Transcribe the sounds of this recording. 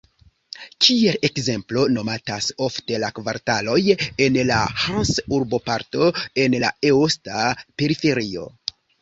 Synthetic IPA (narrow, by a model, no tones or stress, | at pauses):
kʰie̞le̞kze̞mplo̞no̞mataso̞fte̞lakvaɾtalo̞je̞nla̰hansuɾbo̞paɾto̞e̞nla̰eostape̞ɾife̞ɾio̞̰